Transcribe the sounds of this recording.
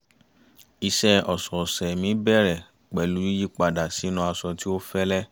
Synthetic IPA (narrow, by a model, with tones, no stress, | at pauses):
i˧sɛ˧ɔ˨sɔ˨sɛ˨mĩ˨˦bɛ˦˨ɾɛ˨ | k͡pɛ˨˦lu˨˦i˦ji˦k͡pa˨da˨si˨˦nũ˧˦a˧sɔ˧ti˦o˦fɛ˦lɛ˦